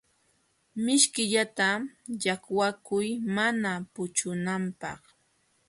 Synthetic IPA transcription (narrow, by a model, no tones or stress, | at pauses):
mɪʃkɪʎat̪ajakwakʊjmanapʊt͡ʃʊnampɑ̰χ